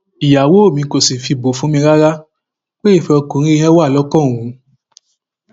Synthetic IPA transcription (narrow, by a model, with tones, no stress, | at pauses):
i˨ja˨wo˨˦o˦˨mĩ˧ko˨sĩ˨fi˧bo˨fũ˨˦mĩ˧ɾa˦ɾa˦ | k͡pe˦i˦˨fɛ˧ɔ˧kõ˨˦ɾ̃ĩ˦i˦hɛ̃˦wa˦˨lɔ˦kɔ̃˦˨ũ˨˦